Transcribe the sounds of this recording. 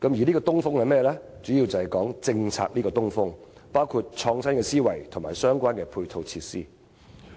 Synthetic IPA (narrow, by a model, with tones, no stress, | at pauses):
kɐ˨˥mjiː˨liː˥kɔː˧t̪ʊ˥ŋfʊ˥ŋhɐ˨jmɛː˥lɛː˥t͡ʃyː˨˥jiː˧wt͡sɐ˨hɐ˨jkɔː˨˥ŋt͡sɪ˧ŋt͡sʰa̰ː˨˧k̚liː˥kɔː˧t̪ʊ˥ŋfʊ˥ŋpaː˥wkʰuː˧t̚t͡ʃʰɔː˧ŋsɐ˥nkɛː˧siː˥wɐ̰˨˩jt̪ʰʊ˨˩maː˨˩jsœː˥ŋkʷaː˥nkɛː˧pʰuː˧jt̪ʰo˧wt͡sʰiː˧t̚sḭː˥